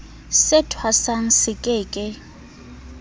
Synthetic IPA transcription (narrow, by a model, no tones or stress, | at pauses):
sɪtʰwasaŋ̩sɪkʼɪːkʼɪ